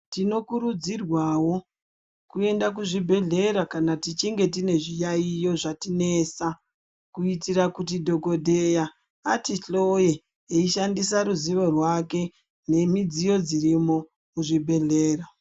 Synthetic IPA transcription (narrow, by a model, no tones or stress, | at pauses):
tino̞kuɾud͡zirwawo̞ | kue̞ndak̬uʐibʱe̞ɮe̞ɾakanatit͡ʃiŋɡe̞t̬ine̞ʐijaijo̞ʐatine̞sa | kuitirakut̬idʱo̞ko̞dʱe̞jaː | tiɬo̞jeː | iʃandisaɾuziʋo̞rwake̞ | ne̞mid͡zijo̞d͡ziɾimo̞ | kuʐibʱe̞ɮe̞ːra